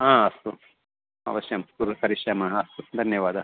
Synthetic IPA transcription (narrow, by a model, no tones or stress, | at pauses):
ɦãːɐst̪u | ɐ̰ʋɐʃjɐmkuɾkɐɾiʃjɐmɐɦɐst̪ud̪ʱɐnjɐʋaːd̪ɐ